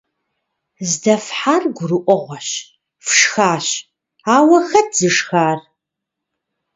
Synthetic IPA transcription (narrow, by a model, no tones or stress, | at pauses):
zdɐfħarɡʷʊrɨʔʷʼɔʁʷɔɕ | fʂxaːɕ | aːwɐxɐtʰz̥ɨʂxaːr